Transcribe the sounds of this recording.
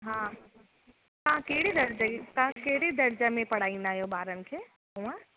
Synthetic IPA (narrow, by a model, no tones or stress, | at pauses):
ɦãː | kãkeɦɽed̪ɐɾd͡ʒəkãkeɦɪɽed̪ɐɾd͡ʒəmẽpɐɽ̤aːĩnd̪aːɦjobaːɾən̆kʰeː | ɦũə̃